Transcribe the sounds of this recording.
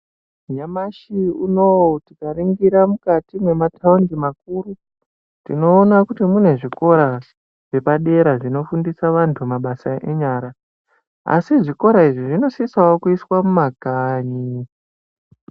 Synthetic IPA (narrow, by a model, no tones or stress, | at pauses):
ɲamaʃiunowtikaɾiŋɡiɾamukatimwe̞matʰaunɡimak̚uɾu | tino̞ːnakutimune̞ʐiko̞ɾa | ʐ̥e̞paɗe̞ɾaʐino̞fundisaʋantʰumaɓasaʔeɲaːɾa | a̰siʐiko̞ɾaiʐiʐino̞sisaokuiswamumakaːɲi